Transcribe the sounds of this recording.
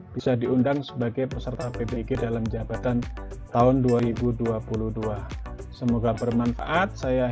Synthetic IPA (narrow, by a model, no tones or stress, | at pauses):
b̥isadiundaŋsəbaɡajpəsərt̪apebeɡedalamd͡ʒabat̪ant̪aʊnduaɾibuduapuluhdua | səmoɡabərmanfa̰ʔat̪̚saja